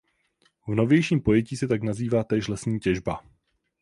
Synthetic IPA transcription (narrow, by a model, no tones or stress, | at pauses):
vno̞vjɛjʃiːmpo̞jɛciːsɛt̪aknaziːvaːt̪ɛːʃlɛsɲiːcɛʒba